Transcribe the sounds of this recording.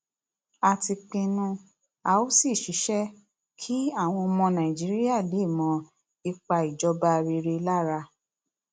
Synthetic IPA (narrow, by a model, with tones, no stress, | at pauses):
a˧ti˧k͡pĩ˧nũ˧ | a˧o˦si˦˨ʃi˨˦ʃɛ˦ | kʰi˦a˦˨w̃ɔ̃˧mɔ̃˧nã˨ĩ˨d͡ʒi˨˦ɾi˦a˦˨le˨˦˨mɔ̃˧ | i˧k͡pa˧i˨d͡ʒɔ˧˦ba˧ɾi˧ɾe˧la˦˨ɾa˧